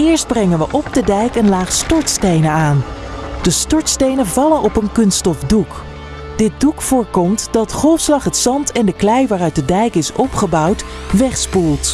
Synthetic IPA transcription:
ɪːɹsd̚brɛŋənʋəʔɔb̚dədɛjkənlaːχstɔɹtstejnəaːn | d̥əstɔɹtstejnəvɑlənʔɔpənkɵnstɔfduk | d̥ɪt̚dukfʊːɹkɔmtd̥ɑtχɔlˠfslɑχɦətsɑntʰɛndəklɛjʋaːrœɥt̚dədɛjkɪsɔpχəbɑwt | ʋɛχspulˠt

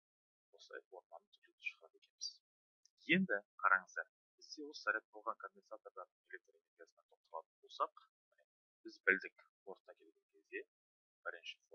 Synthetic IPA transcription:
wo̞slˠɑ̰jfo̞ɾmɑnət̪ʰʏ̥klet̪ɪ̥ʃə̥ʁɾɑp̪e̞kʲe̞nbɪz̥ | je̞nd̪ɪqʰɑɾɑɴəzd̪ɑɾ | b̥ɪzd̪ewoləsæɾʲet̪̚bolˠʁɑŋkʰonʲbʲensat̪o̞ɾd̪ɑɾd̪əɴelʲek̚t̪ɾene̞rɾɡʲijasənɑt̪ʰoq̚t̪ɑlˠɑ̰t̪ənbo̞lˠsɑq | mɪne | bɪzbɪld̪ɪkʲwo̞ɾt̪ɑkʲʰe̞lɡʲe̞ŋkʲʰe̞zd̪e̞ | b̥ɪɾɪnʃɪ̥fo

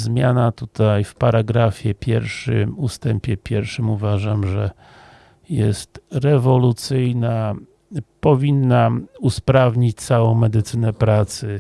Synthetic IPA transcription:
zmʲjanat̪ut̪ajfpaɾaɡɾafʲjɛpʲjɛ̰ɾʂɘmust̪ɛmpʲjɛpʲjɛɾfʂɘmuvaʐamʐɛ | jɛ̰st̪ɾɛvɔlut̪sɘjna | pɔvʲinːauspɾavɲit͡ɕt̪sawɔ̃w̃mɛd̪ɘt̪sɘnɛpɾat̪sɘ

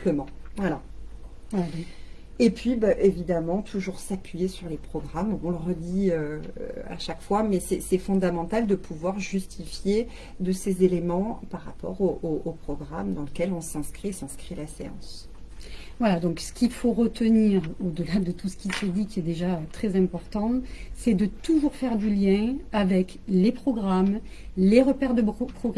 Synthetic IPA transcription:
pləmɑ̃vwala | epɥibaʔevid̪amɑ̃t̪ʰuʒuʁsapʰɥijesyʁlepχɔɡʁamɔ̃ləʁəd̪iø̰a̰ʃakfwamɛsɛsɛfɔ̃d̪amɑ̃t̪ald̪əpʰuvwaʁʒyst̪ʰifje | d̪əsezelemɑ̃paʁːapɔ̰ʁoʔoʔopχɔɡʁa̰md̪ɑ̃ləkʲɛlɔ̃sɛ̃skχiesɛ̃skχilaseɑ̰̃s | vwalad̪ɔ̃ksə̥kʲilfoʁət̪əniʁod̪əlad̪ət̪usə̥kʲisəd̪ikʲiɛd̪eʒaøt̪χɛzɛ̃pɔʁt̪ɑ̃sɛd̪ət̪uʒuʁfɛʁd̪yljɛ̃avɛk | lepχɔɡʁam | leʁəpɛʁd̪əpχɔɡ

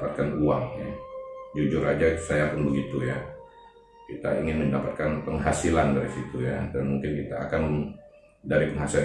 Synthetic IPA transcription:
pat̪̚kanuaŋja̰d͡ʒud͡ʒʊɾad͡ʒasajaːkanbəɡit̪uja̰ | kit̪a̰ḭŋɪnməndapat̪̚kanpəŋɦasilandaɾisit̪ujadanmuŋkɪnkit̪aːkan | daɾipəŋɦasil

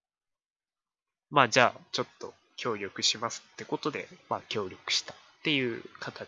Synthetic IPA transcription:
maːd͡ʑaːt͡ɕo̞t̪ːo̞ | kʲo̞ːɾʲo̞kɯ̟ɕimasɨ̥t̪ːe̞ko̞t̪o̞d̪e̞̰makʲo̞ːɾʲo̞kɯ̟̥ɕi̥t̪ḁt̪ːe̞jɯ̟ːkat̪a

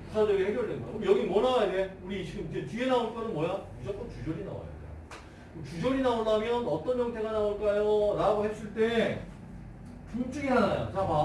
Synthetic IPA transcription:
pu̥sʰad͡ʑʌɡihe̞ɡjʌɭdwe̞nɡʌ̰jo̰kɯmjʌɡimwʌnawajadeuɾit͡ɕiɡɯmid͡ʑe̞t͡ɕienaoɭk͈ʌɾɯnmwʌjaid͡ʑʌk͈ʌnt͡ɕud͡ʑʌɾina̰wa̰ja̰dḛ | kɯt͡ɕud͡ʑʌɾinaonamjʌnʌt͈ʌnd͡ʑʌŋtʰe̞ɡanaoɭk͈ajoɾaɡohe̞s͈ɯɭt͈e̞ | t͡ɕuŋt͡ɕ͈ɯɡiɦanajo̰t͡ɕama

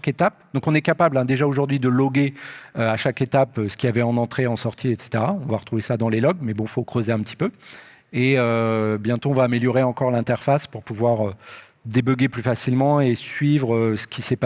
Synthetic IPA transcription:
ket̪ap̚d̪ɔ̃kɔ̃nɛkapablɛ̃d̪eʒaoʒuʁd̪ɥid̪əlɔɡeøaʃaket̪apøsə̥kʲiavɛɑ̃nɑ̃t̪χeɑ̃sɔʁt̪ʰiet̪se̥t̪eʁaɔ̃vaʁət̪χuvesad̪ɑ̃lelɔɡmɛbɔ̃fokχøzeɛ̃pət̪i̥pø | eøbjɛ̃t̪oɔ̃vaːmeljɔʁeɑ̃kɔʁlɛ̃t̪ɛʁfaspuʁpuvwaʁø | d̪ebœɡeplyfasilmɑ̃esɥivʁøsə̥kʲisɛp

